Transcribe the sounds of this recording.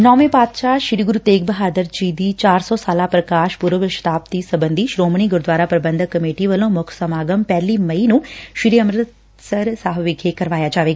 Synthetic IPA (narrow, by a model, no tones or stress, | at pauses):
nɔːʋẽːpaːd̪ʃaːʃɪɾiːɡʊɾuːt̪eːkbəɦaːd̪əɾd͡ʒiːd̪iːt͡ʃaːɾsɔːsaːlaːpɾəkaːʃpʊɾʋəʋəʃt̪aːp̚t̪iːsəbənd̪ʱiːʃɾoːməɳ̃iːɡʊɾd̪ʋaːɾaːpɾəbənd̪ʱəkːəmeːʈiːʋəlõːmʊkʰsəmaːɡəmpɛːliːməiːnũːʃɪɾiːəmɾət̪ | səɾsaːɦʋɪɡʱeːkəɾʋaːjaːd͡ʒaːʋeːɡaː